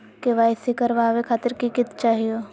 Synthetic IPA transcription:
keʋaːjsikəɾʋaʋekʰaːt̪ɪɾkikɪt̪t͡ʃaːɦijo

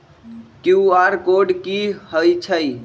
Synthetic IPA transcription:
kuaɾkoɖkihəjt͡ʃʰəj

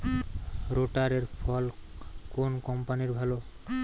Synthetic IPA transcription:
ɾoʈaɾeɾpʰɔlkonkɔmpaniɾbʱalo

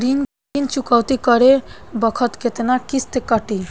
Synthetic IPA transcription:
ɾin | int͡ʃukawt̪ikɔɾebɔkʰɔt̪ket̪enakist̪ekɔʈi

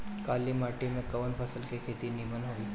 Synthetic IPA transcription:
kalːimaʈimekəʋənfʰəsəlkekʰet̪iːnimənɦoʋiː

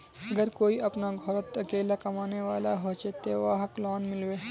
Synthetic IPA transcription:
ɐɡəɾkoːiʔɐpnaɡʱɔɾət̪ɐkeːlakɐmaːneʋaːlaɦot͡ʃet̪eʋaːɦəklɔːnmɪlʋeː

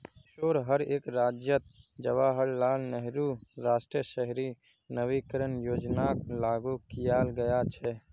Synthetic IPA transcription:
ʃoːɾɦəɾeːkɾad͡ʒjət̪̚d͡ʒəʋaɦəllaːlnəɦɾuɾasʈɾiəʃəɦɾi | nəʋikəɾənjod͡ʒnaklaɡukijalɡəjat͡ʃʰɛ

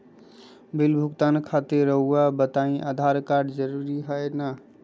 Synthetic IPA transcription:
bilbʱukt̪ankʰat̪iɾːəɦuabət̪aĩʔad̪ʱaɾkaɾɖd͡ʒəɾuɾiɦəena

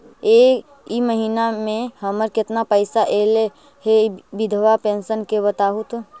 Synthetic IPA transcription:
eːk | iməɦiːnamẽhəməɾkɪt̪napəɪsaʔeːle | hebɪd̪ʱʋapẽːnsənkebət̪aːɦut̪

